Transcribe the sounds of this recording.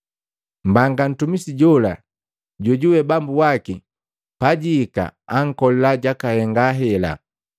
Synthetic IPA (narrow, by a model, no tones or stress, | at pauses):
m̩baŋɡan̩tumisiɟɔla̰ | ɟɔɟuwɛbambuwaki | paɟiːka̰aŋ̩kɔlɛlaɟakahɛŋɡaɦɛla̰